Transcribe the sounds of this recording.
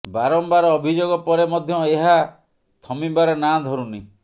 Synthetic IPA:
baɾɔmbaɾɔːbʱid͡ʒoɡɔpɔɾemɔd̪ʱjɔeɦa | t̪ʰɔmibaɾɔnad̪ʱɔɾuni

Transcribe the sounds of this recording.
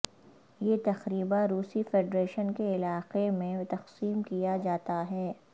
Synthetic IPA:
jeːt̪ɐxɾiːbaɾuːsifeːɖɾeːʃənkeɪlaːqemẽt̪ɐqsiːmkijad͡ʒaːt̪aɦɛː

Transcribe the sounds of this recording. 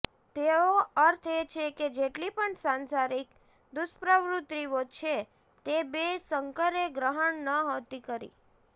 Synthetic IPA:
t̪eoəɾt̪ʰet͡ʃʰeked͡ʒeʈlipəɳsansaɾik | d̪ʊʃpɾəʋɾut̪ɾiʋot͡ʃʰe | t̪ebesəŋkəɾeɡɾəɦəɳnəɦot̪ikəɾḭ

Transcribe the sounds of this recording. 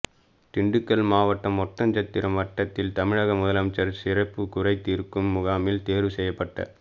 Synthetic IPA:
t̪ɪɳɖɯkːɐlmaːʋɐʈːɐmɔt̪ːɐɲd͡ʒɐt̪ːɪɾɐmʋɐʈːɐt̪ːɪlt̪ɐmɪɻɐɣɐmʊðɐlɐmt͡ʃːɐɾsɪrɐpːɯkʊrɐɪt̪ːiːɾkɯmːʊɣaːmɪlt̪eːɾʋɯsɛjːɐpːɐʈːɐ̰

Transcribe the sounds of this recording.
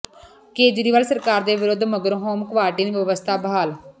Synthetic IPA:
keːd͡ʒɾiːʋaːlsəɾkaːɾd̪eːʋɪɾʊd̪məɡəɾɦoːmkʋaːʈiːniːʋəʋəst̪ʰaːbɦaːl

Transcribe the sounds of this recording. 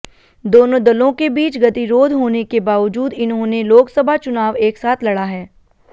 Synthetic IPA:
d̪oːnõd̪ɐlõkebiːt͡ʃɡɐt̪iɾoːd̪ʱɦoːnekebaːʋəd͡ʒuːd̪ɪnɦõneloːksəbʱat͡ʃʊnaːʋeːksaːt̪ʰlɐɽaɦɛː

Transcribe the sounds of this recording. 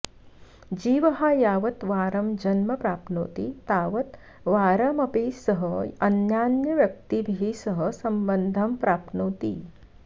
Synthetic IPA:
d͡ʒiːʋɐɦaːjaːʋɐt̪ʋaːɾɐmd͡ʒɐnmɐpɾaːpno̰ːt̪it̪aːʋɐt̪ | ʋaːɾɐmɐpeːsɐɦɐɐnjaːnjɐʋjɐk̚t̪ibʱiɦiːsɐɦɐsɐmbɐnd̪ʱɐmpɾaːpnoːt̪ḭː

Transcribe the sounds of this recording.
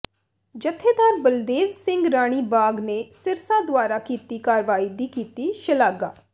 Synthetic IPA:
d͡ʒət̪ʰːeːd̪aːɾbəld̪eːʋsɪ̃ŋɡɾaːɽ̃iːbaːɡneːsɪɾsãːd̪ʊaːɾaːkiːt̪iːkaːɾʋaːiːd̪iːkiːt̪iːʃəlaːɡa̰ː

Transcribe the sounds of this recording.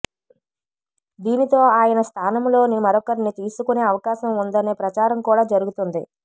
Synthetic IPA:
d̪iːnit̪o̞ːaːjɐnɐst̪ʰaːnɐmlo̞ːnimɐɾɔkɐɾinit̪iːsukune̞ːɐʋɐkaːʃɐmund̪ɐne̞ːpɾɐt͡ʃaːɾɐmkuːɽaːd͡ʒɐɾuɡut̪und̪i

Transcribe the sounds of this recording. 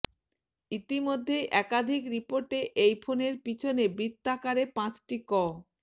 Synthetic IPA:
it̪imod̪ʱːejʔɛkad̪ʱikɾipoɾʈeʔejfʰoneɾpit͡ɕʰonebɾit̪ːakaɾepãt͡ɕʈikɔ

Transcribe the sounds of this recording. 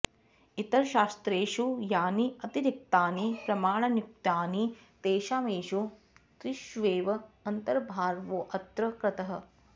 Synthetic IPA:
it̪ɐɾʃaːst̪ɾeːʃujaːniɐt̪iɾik̚t̪aːnipɾɐmaːɳɐnjuk̚t̪aːni | t̪eːʃaːmeːʃu | t̪ɾɪʃʋeːʋɐɐnt̪ɐɾbʱaːɾʋoːʔɐt̪ɾɐkɾɐt̪ɐɦɐ̆

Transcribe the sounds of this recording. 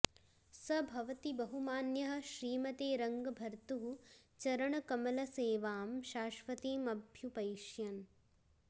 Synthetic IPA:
sɐbʱɐʋɐt̪ibɐɦumaːnjɐɦɐ̆ʃɾiːmɐt̪eːɾɐŋɡɐbʱɐɾt̪uɦut͡ʃɐɾɐɳɐkɐmɐlɐseːʋaːmʃaːʃʋɐt̪eːmɐbʱjupɐjʃjɐn

